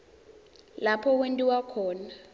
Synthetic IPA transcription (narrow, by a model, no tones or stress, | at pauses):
lapʰɔk̬wentʼiwakʰɔːna